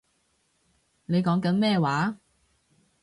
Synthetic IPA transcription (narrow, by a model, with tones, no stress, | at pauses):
ne˨˧jkɔː˨˥ŋkɐ˨˥nmɛː˥˧waː˨˥